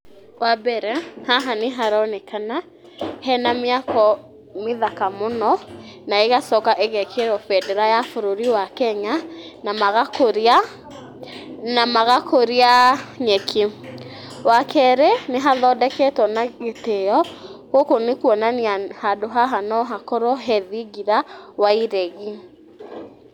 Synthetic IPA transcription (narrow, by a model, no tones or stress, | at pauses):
wabɛɾɛhaɦaneɦaɾɔnekana | hɛnameakɔ | meðakamonɔnaeɣasɔkaʔeɣɛkʰeɾɔfɛdɛɾajafoɾoɾiwakɛɲanamaɣakoɾia | namaɣakoɾiaɲɛkʰe | wakʰɛɾeneɦaðɔdɛkɛtɔnaɣeteɔɣokonekuɔnaniahadoɦaɦanɔɦakɔɾɔɦɛðiɣiɾawaiɾɛɣi